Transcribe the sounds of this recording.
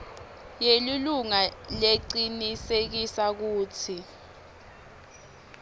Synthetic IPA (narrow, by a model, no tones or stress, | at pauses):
jeliluŋaleǀinisek̬isak̬uːt͡sʰi